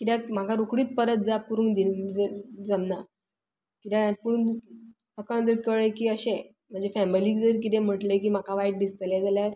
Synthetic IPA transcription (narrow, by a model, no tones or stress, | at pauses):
kit̪jam̤akaɾokɽiːt̪̚pəɾət̪̚d͡zap̚kuɾuːŋd̪id͡zəd͡zəmna | kit̪ãpuɳ | əkand͡zəɽkəɭekiːəɕe | m̤əɳd͡zefæmiliːkd͡zəɾk̬it̪ẽm̤əʈlek̬iːm̤akaʋajʈ̚d̪ist̪lɛd͡zeljaɾ